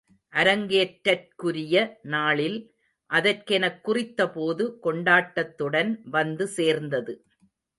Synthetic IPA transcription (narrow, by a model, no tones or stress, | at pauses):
ʔɐɾɐŋɡeːʈɾɐrkʊɾɪjɐnaːɭɪl | ʔɐðɐrkɛnɐkːʊrɪt̪ːɐpoːðɯkɔɳɖaːʈːɐt̪ːɯɽɐnʋɐnd̪ɯseːɾnd̪ɐðɯ